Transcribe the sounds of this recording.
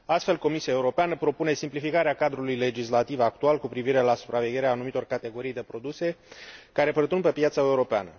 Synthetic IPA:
ast̪fe̞lko̞misiae̞uɾo̞peanəpɾo̞pune̞simplifikaɾeakad̪ɾulujle̞d͡ʒislat̪ivak̚t̪ualkupɾiviɾe̞lasu̥pɾave̞ɡʲe̞ɾeaːnumit̪o̞rkat̪e̞ɡo̞ɾijd̪e̞pɾo̞d̪use̞kaɾe̞pərt̪unpe̞pjat̪səe̞uɾo̞pea̰nə

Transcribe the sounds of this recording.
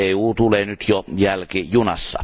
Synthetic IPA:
eːuːt̪uleːnyt̪jojælkijunɑ̰sːɑ̰

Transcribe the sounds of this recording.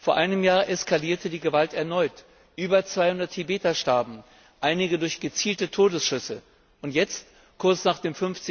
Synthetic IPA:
foːɐʔaɪnəmjaːɐʔɛskʰaliːɐtədiːɡəvaltɛɐnɔʏt | ʔyːbɐt͡sv̥aɪhʊndɐtʰhibeːtaʃtɛɐbm̩ | ʔaɪnɪɡədʊɐçɡ̥ət͡siːltətʰoːdəsʃʏsə | ʔʊntjɛt͡st | kʰʊɐt͡snaːχd̥eːmfʏnft͡sɪ

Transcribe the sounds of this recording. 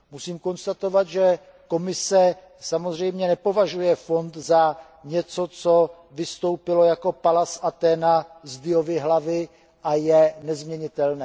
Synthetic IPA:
musiːmko̞nst̪at̪o̞vat̪ʒɛ | ko̞mɪsɛ | samo̞zr̝ɛjmɲɛnɛpo̞vaʒujɛfo̞nt̪za | ɲɛt͡so̞t͡so̞ | vɪst̪o̞wpɪlo̞jako̞palasʔat̪ɛːnazdɪjo̞vɪɦlavɪ | ʔajɛnɛzmɲɛɲɪt̪ɛlnɛː

